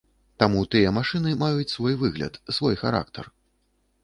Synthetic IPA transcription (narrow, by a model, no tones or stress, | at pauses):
t̪amut̪ɨjɐmaʂɨnɨmajut͡sʲsvɔjvɨɣlʲɐ̰t̪svɔjxaɾa̰kt̪ɐr